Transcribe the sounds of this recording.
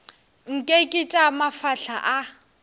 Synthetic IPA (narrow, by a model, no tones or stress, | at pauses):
ŋ̩kʼekʼɪtʼamafaɬʰaʔa